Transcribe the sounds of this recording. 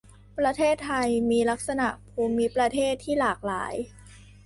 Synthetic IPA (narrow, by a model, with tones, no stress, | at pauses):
pɾa˧t̪ʰeː˥˩t̪ʰːa˧jmiː˧la˦˥k̚sa˧na˨˩ʔpʰuː˧mi˦˥pɾa˧t̪ʰeː˥˩t̪ʰːiː˥˩laː˨˩k̚laː˩˦j